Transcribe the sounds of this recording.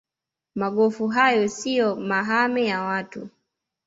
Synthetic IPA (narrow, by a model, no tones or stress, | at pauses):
maɠɔfuɦajɔsijɔmaɦamɛjawatu